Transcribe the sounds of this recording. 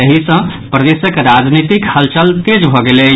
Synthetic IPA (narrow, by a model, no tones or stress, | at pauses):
əɦisə̃pɾəd̪esəkɾad͡ʒnit̪ikhəlt͡ʃəlt̪ed͡ʒbʱɔɡele